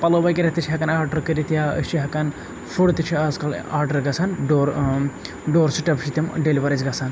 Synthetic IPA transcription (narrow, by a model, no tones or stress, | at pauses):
pɐlobɐjkiɾɐt̪it͡ʃʰiɦɐkɐnaːɾɖɐɾkəɾit̪jaə̰t͡ʃʰiɦɐkɐn | fuɽt̪it͡ʃʰiaːzkɐlaːɾɖɐɾɡɐsʰaːnɖoɾ | ɖoːɾt͡ʃʰiʈɐpʃʰit̪imɖeliʋɐɾɐd͡ʒɡɐsʰan